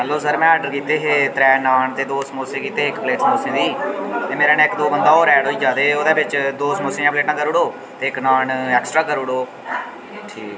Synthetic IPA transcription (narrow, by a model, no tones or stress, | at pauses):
ɦɛlːoːsəɾmɛ̃ːəɖəɾkiːt̪eːɦeːt̪ɾɛːnaːɳt̪eːd̪oːsmoːsẽːkiːt̪eːɪkpleːʈmoːsẽːd̪iːt̪eːmeːɾaːnẽːɪkd̪oːbənd̪aːoːɾɛːɽoːiːd͡ʒaːd̪eːoːd̪eːbɪt͡ʃd̪oːsmoːsẽːãpleːʈãːkəɾʊɽoː | t̪eːɪknaːɳɛːksʈɾaːkəɾʊɽoː | ʈʰiː